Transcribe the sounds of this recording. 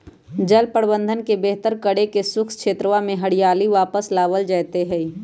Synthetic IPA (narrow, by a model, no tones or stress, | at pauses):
d͡ʒɐlpəɽbə̃nd̪ʱənkebeɦt̪əɾkəɽekesʊkʰskʃʰeːt̪ɾəʋamẽɦɐɽijaːliʋaːpəslaːʋəld͡ʒaːt̪eɦɛ